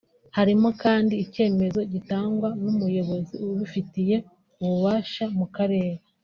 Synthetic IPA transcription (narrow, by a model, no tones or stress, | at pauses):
haɾimo̞kaːndiːce̞ːme̞zo̞ɟitaːŋɡwanumujo̞βo̞ziuβufitije̞ | uβuβaːʃamukaɾe̞ːɾa